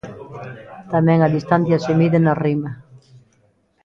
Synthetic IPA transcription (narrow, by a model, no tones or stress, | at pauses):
t̪amɛ̃ŋaðist̪anθjasemiðenarimɐ